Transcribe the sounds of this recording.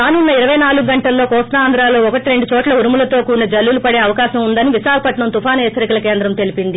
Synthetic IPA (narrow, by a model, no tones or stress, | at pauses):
aːnunːɐiɾɐʋɐjnaːluɡuɡɐɳʈɐlːo̞ːkɔːsaaːnd̪ɾaːlo̞ːɔkɐʈiɾe̞ɳɖut͡ʃɔːʈlɐuɾumulɐt̪o̞ːkuːnɐd͡ʒɐlːulupɐɽe̞ːɐʋɐkaːʃɐmund̪ɐniʋiʃaːkɐpɐʈɳɐmt̪upʰaːneːt͡ʃɐɾɐkɐlɐkeːnd̪ɾɐmt̪e̞lipind̪i